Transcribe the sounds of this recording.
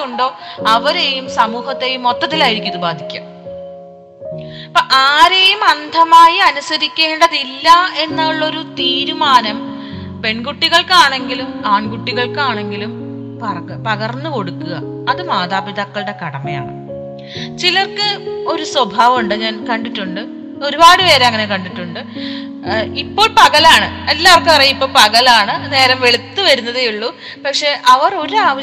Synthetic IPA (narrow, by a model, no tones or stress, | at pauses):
uɳɖo̞ːɐʋɐɾe̞jumsɐmuːhɐt̪ːe̞jumo̞t̪ːɐt̪ːilaːjiɾikʲːuɐðɨbaːd̪ʱikʲːa̰ːm | poʔaːɾe̞jumɐnd̪ʱɐmaːjiɐnusɐɾikʲːe̞ːɳɖɐðilːɐe̞nːaɭːo̞ɾut̪iːɾumaːnɐm | pe̞ɳɡuʈːiɣɐɭkaːɳe̞ŋɡilumaːɳɡuʈːiɣɐɭkaːɳe̞ŋɡilum | pɐrpɐɣɐrnːɨko̞ɽukːuɣɐː | ðɨmaːðaːbiðɐkːɐɭɨɽe̞kɐɽɐmɐja̰ːɳɨ̰ | t͡ɕilɐrkɨo̞ɾuswɐbʱaːʋɐmuɳɖɨɲaːnkɐɳɖiʈːuɳɖɨ | o̞ɾubaːɽɨʋeːɾeɐŋːɐne̞kɐɳɖiʈːuɳɖɨ | ipːo̞ːɭpɐɣɐlaːɳɨelːaːʋɐrkːɨpɐrɐjːipːo̞ːɭpɐɣɐlaːɳɨne̞ːɾɐmʋe̞ɭut̪ːɨʋɐɾunːɐðejuɭːu | pɐkʂe̞ʔɐʋɐro̞ɾuaːʋɐ